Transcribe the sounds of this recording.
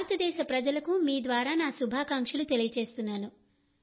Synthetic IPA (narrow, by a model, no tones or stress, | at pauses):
ɾɐt̪ɐd̪ɛːʃɐpɾɐd͡ʒɐlɐkumiːd̪ʋaːɾaːnaːsubʱaːkaŋkʂɐlut̪elijɐt͡ʃe̞ːst̪unːaːnu